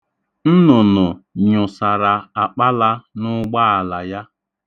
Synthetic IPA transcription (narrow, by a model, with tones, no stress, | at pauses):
n̩˦nʊ˨nʊ˨ɲʊ˨sa˨ɾa˨a˨k͡pa˦la˦nʊ˦ɡ͡ba˦a˨la˨ja˦